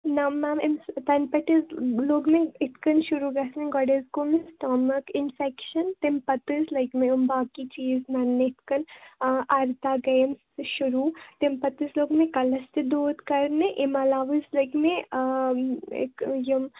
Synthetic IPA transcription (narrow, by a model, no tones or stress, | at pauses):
nɐmːamemst̪ɐnpɐʈizloːɡmẽɪt̪ʰkɐnʃuɾuɡɐsneɡɔɖezkomsʈɔːmɐkɪnfɛkʃɐnt̪empɐt̪ɨzlɐjkmẽombaːkit͡ʃiːznɐɾneɪt̪ʰkɐnʔɐɾt̪aːɡɐjəmsʃʊɾut̪empɐt̪ɨzloːɡmẽkɐlɐst̪id̪oːd̪kɐɾneʔemɐlaːʋɨzlɐjkme | kjɐm